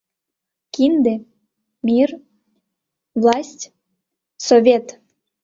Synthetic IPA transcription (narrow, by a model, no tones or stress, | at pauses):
kind̪e | mʲir | vlˠɑsʲtʲ | sovʲet̪